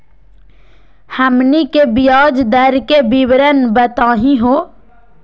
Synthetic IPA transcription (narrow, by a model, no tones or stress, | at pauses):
həmnikebɪjaːd͡ʒd̪əɾkebiwɾənbət̪aːɦĩɦoː